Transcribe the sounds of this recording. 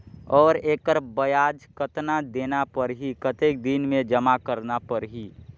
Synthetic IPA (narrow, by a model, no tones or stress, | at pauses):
ɔːɾeːkəɾbəjaːd͡ʒkət̪nad̪eːnapəɾɦikət̪eːk̚d̪inmẽd͡ʒəmakəɾnapəɾɦi